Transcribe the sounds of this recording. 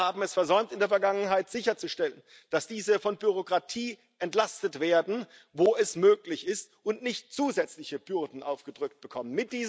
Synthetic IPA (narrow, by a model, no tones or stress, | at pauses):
aːbm̩ɛsfɛɐzɔʏmtɪndeːɐfɛɐɡaŋənɦaɪtz̥ɪçɐt͡suʃtɛlən | d̥asd̥iːzəfɔnbyʁ̞okʁ̥atʰiː | ʔɛntlastətv̥eːɐdn̩ | voːɛsmøːklɪçɪstʔʊntnɪçtt͡suːzɛt͡slɪçəb̥ʏʁdn̩ʔaʊfɡ̥ədʁʏk̚t̚b̥əkʰɔmənmɪt̚d̥iːz